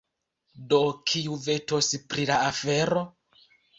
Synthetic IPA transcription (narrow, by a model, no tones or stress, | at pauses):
dokʰiuve̞to̞spɾilaafe̞ɾo̞